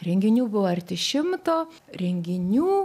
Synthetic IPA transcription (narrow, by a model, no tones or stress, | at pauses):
ɾʲɛŋʲɡʲɪnʲuːbʊʋoːɐɾʲt̪ʲɪʃʲɪmt̪oː | ɾʲɛŋʲɡʲɪnʲuː